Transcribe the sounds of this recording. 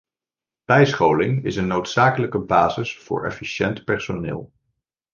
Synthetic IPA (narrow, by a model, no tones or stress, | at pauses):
b̥ɛjsχowlɪŋɪsənːowtsaːkələkəbaːzɪsfʊ̰ːɹɛ̰fiʃɛntpɛɹsonɪ̰ːlˠ